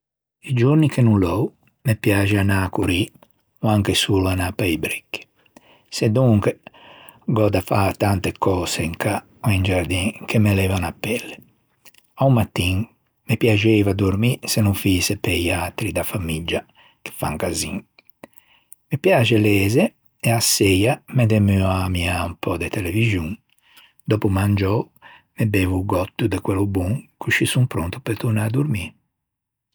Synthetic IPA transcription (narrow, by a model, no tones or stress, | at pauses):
id͡ʒuɾnikʰenulɔw | mepjaːd͡ʒeanakuɾi | oaŋkesulanapajbɾɛ̥kːi̥ | sed̪uŋke | ɡɔd̪afat̪ant̪ekɔːseiŋka | oind͡ʒaɾd̪iŋkemelɛvanapːɛlːe | awmat̪ːiŋ | mepjad͡ʒevad̪oɾmisenuɱfisepejat̪ɾid̪afamid͡ʒːa | ke̥fa̰ŋkazḭŋ | mepjaːt͡ʃelɛːze | easːejamet̪emyamiaumpʰɔd̪et̪elevizjuŋ | d̪ɔːpumand͡ʒɔ | mebeːvuɡɔt̪ːud̪ekwelubuŋkʰut͡ʃːisumpɾɔnt̪u̥peɾt̪uɾnad̪uɾmi